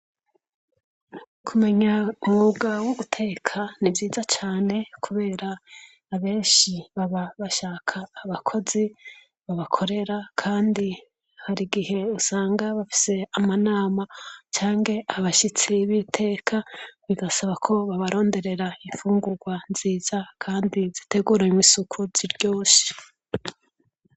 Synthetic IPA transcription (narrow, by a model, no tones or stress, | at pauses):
kʰume̞ɲaumuɡawuβutʰe̞ːkʰanivjiːzat͡ʃaːne̞kʰuβe̞ːɾaː | βe̞ːnʃiβaβaβaʃaːkʰaːβakʰo̞zi | βaβakʰo̞ɾe̞ɾakʰaːndi | haɾiɡihe̞usaːŋɡaβafi̥se̞amanaːmat͡ʃaːŋɡe̞ʔaβaʃit͡seβitʰe̞ːkʰaβiɡasaβakʰo̞βaβaɾo̞ːnde̞ɾe̞ɾaiɱfuːŋɡuɾɡwanziːz̥akʰaːndizite̞ɡuːɾaimisukʰuziɾɟo̞ːsi̥